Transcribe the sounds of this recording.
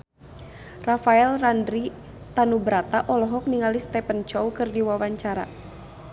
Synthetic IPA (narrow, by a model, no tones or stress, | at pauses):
rafaɛlrandɾi | t̪anubɾat̪aʔɔlɔɦɔk̚niŋalist̪ɛpənt͡ʃɔwkɨrdiwawaɲt͡ʃaɾa̰